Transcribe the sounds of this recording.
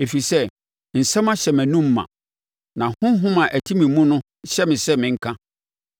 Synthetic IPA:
e˨fi˨sɛ˦ | n̩˨sɛ̃˦mã˦ɕɛ˨mæ̃˨nũ˦mː˦ã̰˨ | nã˨hʊ̃˦ɦʊ̃˦mã˨ʔæ˨tʰi˦mĩ˨mũ˦nʊ̃˦ɕɛ˦mɪ̃˨sɛ˦mɪ̃˨ŋ̩˦kʰã˦

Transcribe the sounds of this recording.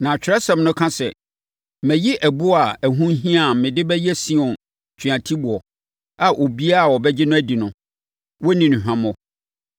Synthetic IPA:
nã˨t͡ɕᶣɾɛ˦sɛ̃˨mnʊ̃˦kʰã˦sɛ̰˨ | mɛ̃˨ji˦ʔæ˨bu˦a˨æ˨ɦũ˦ɦĩ˦a˨mɪ̃˨dɪ˦bɛ˦jɛ˦sĩ˦ɔ̃˨n | t͡ɕʰi˨ã˨tʰi˦bʊ˨ɔ˨ | a˨ʔo˨bi˦a˦˨wɔ˨bɛ˦d͡ʑɪ˦nʊ̃˦æ˦di˨nʊ̃˨ | wɔ˦nĩ˨nʊ̃˨ɦᶣã˦mɔ̃˨

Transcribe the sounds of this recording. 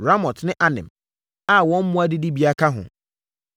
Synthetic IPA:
ɾa˦mɔ˨tnɪ̃˦ʔa˦nɪ̰̃˨m | a˦˨wɔ̃˦m̩˦mʊ̃˦a˦dɪ˦di˦bi˨˦a˦kʰa˦ɦʊ̰˨

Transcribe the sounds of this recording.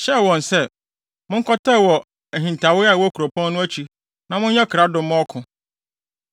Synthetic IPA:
ɕɛ˦˨wɔ̃˨n˨sɛ˦ | mʊ̃˦ŋ̩˦kʰɔ˦tʰɛ˦˨wɔ˨ | æ˨ɦĩ˨n˨tʰa˨wɪ˦a˨wɔ˦kʰu˨ɾo˨pʰɔ̃˦nːʊ̃˦æ˦t͡ɕʰi˨ | nã˨mʊ̃˦ɲ˦ɲɛ̃˦kʰɾa˦dʊ̃˨m˦ɔ˦kʰʊ̃˨

